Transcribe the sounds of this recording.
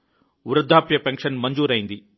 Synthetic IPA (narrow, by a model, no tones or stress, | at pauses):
uɾɐd̪ʱːaːpjɐpeŋkʂɐnmɐɲd͡ʒuːɾɐjind̪i